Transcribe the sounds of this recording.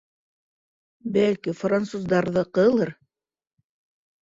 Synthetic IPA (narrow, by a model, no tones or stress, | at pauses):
bælkifrant̪suzd̪ɑɾðɤqɤ̆lˠɤɾ